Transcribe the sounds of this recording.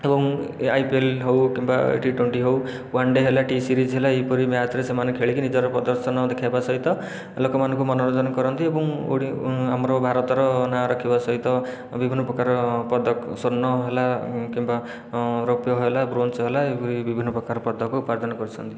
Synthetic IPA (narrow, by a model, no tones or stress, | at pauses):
ebɔŋajpielɦowkimba̰ʈiʈweɳʈiɦow | waɳɖeɦelaʈisiɾid͡ʒɦelaepɔɾimat̪ɾesemanekʰeɭikinid͡ʒɔɾɔpɔd̪ɔɾsʰɔnɔd̪ekʰajbasɔɦit̪ɔ | lokɔmanɔŋkumɔnoɾɔd͡ʒ̪ɔnɔkɔɾɔnt̪iebɔŋṵɽiamɾɔbʱaɾɔt̪ɔɾɔnaɾɔkʰibasɔɦit̪ɔ | bibʱinːɔpɾɔkaɾɔpɔd̪ɔksonːɔɦelakimba | ɾopjɔɦɦelabɾonsɦelaepɔɾibibʱinːɔpɾɔkaɾɔpɔd̪ɔkuupaɾd̪ʱɔnɔkɔɾut͡ʃʰɔnt̪i